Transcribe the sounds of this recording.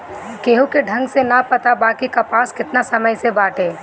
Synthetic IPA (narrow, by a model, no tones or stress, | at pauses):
keːɦukeɖʱɐ̃ŋɡsenapɐt̪abaːkikapaːskɪt̪nasɐməjsebaːʈeː